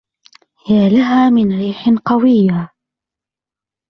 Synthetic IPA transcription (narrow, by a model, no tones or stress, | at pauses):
hɪjalaɦaːmɪnɾiːħɪnqɑwɪjːa